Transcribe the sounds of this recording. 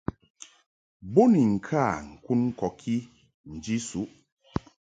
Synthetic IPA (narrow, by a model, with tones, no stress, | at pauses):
bo˦ni˨ŋ̩˨kʰa˦˨ŋ̩˨ku˦nŋ̩˦kɔ˨kʰi˦ | n̩˨d͡ʒi˦su˨˦ʔ